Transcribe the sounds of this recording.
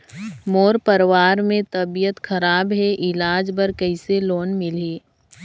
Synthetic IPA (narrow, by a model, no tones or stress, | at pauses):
moːɾpəɾwaːɾmẽt̪ɐbijət̪xɐɾaːbɦɛʔɪlaːd͡ʒbəɾkɐɪseloːnmɪliː